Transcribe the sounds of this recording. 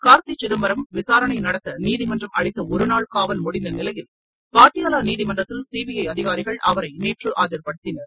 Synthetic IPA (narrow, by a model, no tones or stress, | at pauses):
kaːɾt̪it͡ʃɪðɐmbɐɾɐmʋɪsaːɾɐɳɐɪnɐɽɐt̪ːɐniːðɪmɐndrɐmɐɻɪt̪ːɐɔɾɯnaːɭkaːʋɐlmʊɽɪnd̪ɐnɪlɐjɪl | paːʈːɪjaːlaːniːðɪmɐndrɐt̪ːɪlsiːbɪjɐɪɐðɪɣaːɾɪɣɐɭʔɐʋɐɾɐɪneːʈrɯʔaːd͡ʒɐɾpɐɽɯt̪ːɪnɐɾ